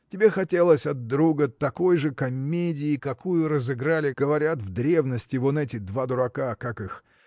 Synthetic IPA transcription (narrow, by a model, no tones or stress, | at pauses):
tʲɪbʲexɐtʲelˠəsʲɐd̪̚ːɾuɡət̪ɐko̞jʐɨkɐmʲedʲɪːkɐkujʊɾəzɨɡɾalʲɪɡ̥əvɐɾʲat̪vd̪ɾʲe̞vnəsʲtʲɪvonɛtʲɪd̪vad̪ʊɾɐkakakɨx